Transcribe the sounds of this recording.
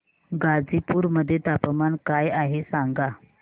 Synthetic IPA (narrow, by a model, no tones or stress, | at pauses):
ɡad͡zipuːɾməd̪ʱːjet̪apəmankajaɦesaŋɡa